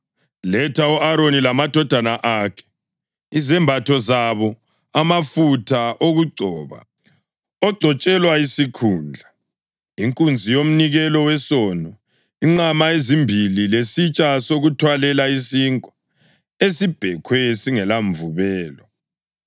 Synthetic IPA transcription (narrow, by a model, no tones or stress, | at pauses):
lɛtʰauʔaɾonilamad̥ʱɔd̥ʱanaʔakʰɛ̥ | izɛmbʱatʰɔzaβɔ | amafutʰaʔoɣuɡ͡ǀʱɔːβa̰ | ɔɡ͡ǀʱɔt͡ʃʼɛlwaisikʰuːnd͡ɮʱa | iŋkʼund͡zʱijom̩niɣɛlɔwɛsɔnɔ | iŋ͡ǀamaezimbʱililesit͡ʃʼasoɣutʰwalɛlaisiŋkʼɔ̥ | esib̥ʱɛkʰwɛsiŋɛlaɱvuβɛːlɔ